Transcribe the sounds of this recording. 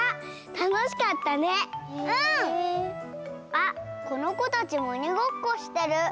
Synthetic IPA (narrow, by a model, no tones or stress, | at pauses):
a | t̪ano̞ɕi̥kat̪ːane̞ɯ̟̃ | ako̞no̞ko̞t̪at͡ɕimo̞ɲ̟iɡo̞kːo̞ɕi̥t̪e̞ɾɯ̟